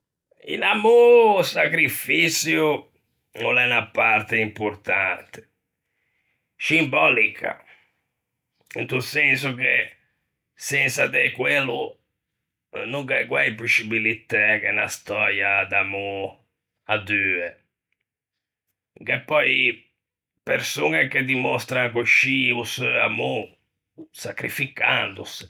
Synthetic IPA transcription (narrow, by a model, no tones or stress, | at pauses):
ḭnamusakɾifisju | ulɛnapart̪eimpuɾt̪ant̪e̥ | simbɔlikʰa̰ | ḭnt̪usɛns̬uke | sɛnsad̪ekwelu | nuŋkɛkwɛjpusːibilit̪ːɛkenast̪ɔɾjad̪amu | ad̪yːɛ | kepːɔj | peɾsuneked̪imɔst̪ɾaŋkuʃiusamu | sakɾifika̰nd̪ṵs